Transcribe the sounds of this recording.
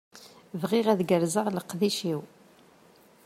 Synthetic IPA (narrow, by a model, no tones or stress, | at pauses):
vʁɪʁæðɡəɾzəʁləqːðiʃiw